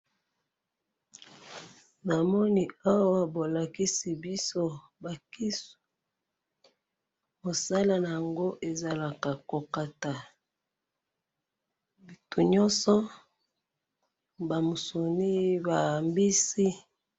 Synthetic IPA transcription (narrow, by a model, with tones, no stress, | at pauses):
na˨mɔ˦ni˨a˦wa˨bo˨la˨ki˦si˨bi˦so˦ | ba˨ki˦su | mo˨sa˦la˨na˨ja˨ŋɡo˦ʔe˨za˨la˨ka˨ko˨ka˦ta˨ | bi˨tʰu˨ɲɔ˦nsɔ˦ | ba˨mo˨so˨ni˦ba˨mbi˦si˦